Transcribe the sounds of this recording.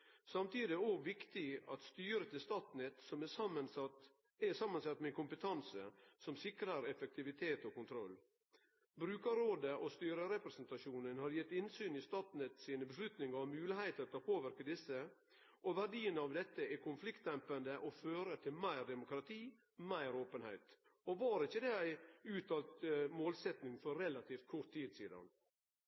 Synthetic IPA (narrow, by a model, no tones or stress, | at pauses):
sɑmt̪iːd̪ɪɛɔɡʋɪkt̪ɪɑt̪st̪yːɾət̪ʰɪlst̪ɑːt̪n̩ət̪sɔmɛsɑmənsɑt̪ | ɛsɑmːɑnsɑt̪ːmɛnkʊmpət̪ʰɑnsə̰sɔmsɪkɾəɾɛfɛk̚t̪ɪʋɪt̪ʰeːt̪ɔkʊnt̪ʰɾɔlː | bɾʉːkɑɾoːd̪əʔɔst̪yːɾəɾɛpɾəsnt̪ɑʃuːnənhɑɾjɛt̪ːɪnsyːnɪst̪ɑːt̪n̩ət̪siːnəbəslʉt̪nɪŋɑmʉːlɪhæɪt̪əɾt̪ɔpʰoːʋɪɾkəd̪ɪsːə | ʔɔʋæɖiːənɑʋd̪ɛt̪ːəɛkʰʊnflɪkt̪d̪ɛmpənd̪əʔɔføːɾət̪ʰɪlmæɪɾd̪ɛmʊkɾɑt̪ʰiː | mæɪɾoːpənhæ̰ɪt̪ | ɔʋɑːɾɪçːəd̪ɛæɪʉːt̪ɑːlt̪moːlsɛt̪nɪŋfɔɾɾɛlɑt̪ʰiːft̪̚kʰʊt̪ʰːiːd̪siːd̪ɑ̰n